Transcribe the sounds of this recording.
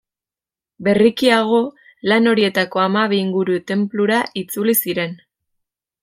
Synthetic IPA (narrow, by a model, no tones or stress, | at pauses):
be̞rikiaɣ̞o̞ | lano̞ɾie̞t̪ako̞amaβiiŋɡuɾut̪e̞mpluɾaʔit͡sulisiɾe̞n